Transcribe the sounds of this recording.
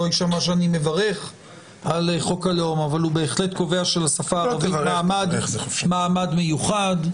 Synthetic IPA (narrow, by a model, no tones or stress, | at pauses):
ojʃamaʃ̬eanime̞vaʁe̞χ | aleχo̞kalo̞mavalube̞ːχletko̞ve̞aʃelasafaːʁavimaːmadmaːmadme̞juχad̪